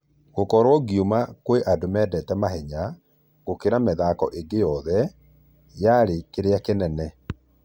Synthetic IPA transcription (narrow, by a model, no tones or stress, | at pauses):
ɡokɔɾwɔɡjumakweʔadomɛdɛtɛmaɦɛɲa | ɣ̥okeɾamɛðakɔ̰ʔeɡejɔðɛ | jaɾekeɾeakenɛnɛ